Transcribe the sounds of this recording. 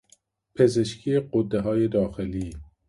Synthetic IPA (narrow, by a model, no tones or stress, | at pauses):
pʰezeʃkʰieqod̪ːeɦɒːjed̪ɒːxeliː